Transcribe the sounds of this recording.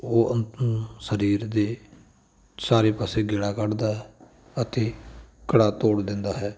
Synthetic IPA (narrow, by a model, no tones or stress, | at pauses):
oːʔənsəɾiːɾd̪eː | saːɾeːpəseːɡɪɽaːkəɽd̪aːɦɛ | ət̪eːkəɽaːt̪oːɽd̪ɪnd̪aːɦɛː